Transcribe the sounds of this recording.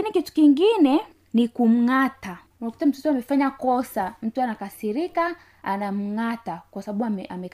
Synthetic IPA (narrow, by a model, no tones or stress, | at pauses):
kinikitu̥kiŋɡinɛ | nikum̩ŋata | unakutam̩tɔtɔamɛfaɲakɔsam̩tuanakasiɾika | anam̩ŋatakwasaɓaɓuamɛʔamɛk